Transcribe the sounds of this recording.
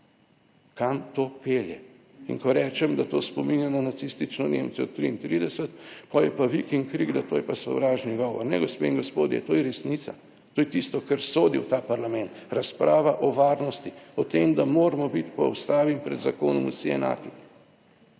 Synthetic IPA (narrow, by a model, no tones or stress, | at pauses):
kamt̪oːpeːljɛ | ḭŋkɔɾɛːt͡ʃɛmd̪at̪oːspɔminjanɔnat̪sist̪it͡ʃnɔnḛːmsɛɔt̪ːɾiint̪ɾid̪ɛsət̪pɔjɛpaʋikiŋkɾiɡd̪at̪oːjɛpasɔ̰wɾaːʒniɡɔːʋɔ̰ɾnɛ̰ɡɔspeiŋɡɔspoːd̪jɛ̰t̪oːjɛɾɛsnit̪sa̰ | t̪oːjɛt̪ist̪ɔkɐɾsoːd̪iwt̪aːpaɾlamɛ̃nt̪ɾaspɾʔaːʋaʔɔʋaːɾnɔst̪iɔt̪emd̪amoːɾamɔbit̪pɔɔ̰wst̪aːʋimpɾɛd̪zakoːnɔmṵsiɛ̰na̰ːk̪i